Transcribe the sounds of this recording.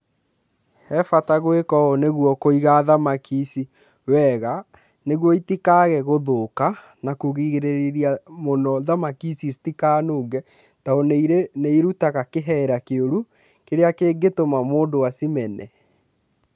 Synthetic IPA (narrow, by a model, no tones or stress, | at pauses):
hɛfataɣwekɔoneɣwɔkoiɣaðamakʰisi | wɛɣa | neɣwɔitikaɣɛɣoðoka | nakoɣiɣeɾeɾeɾiamonɔðamakisistikaːnoːŋɡɛ | taonɾeneiɾutaɣakeɦɛɾakeoɾu | keɾeakeːɡetomamoːndowasimɛnɛ